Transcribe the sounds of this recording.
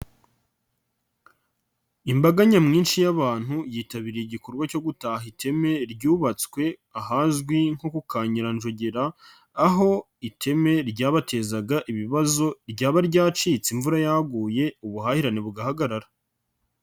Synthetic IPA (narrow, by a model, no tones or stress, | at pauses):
imbaɡaɲamŋiːnʃijaβaːn̥hujiːtaβiɾeiɟiko̞ɾɡwaco̞ɡutaːhitʰe̞me̞ɾɟuːβat͡skwe̞aɦazɡwiŋ̥ho̞kukaːɲiɾanʒoɟeɾaː | ɦo̞ | itʰe̞me̞ɾɟaːβate̞zaɡaʔiβiβazo̞ɾɟaːβaɾɟaːt͡ʃiːt͡siɱvuɾajaɡuːje̞uβuhahiɾaniβuɡahaɡaɾaɾa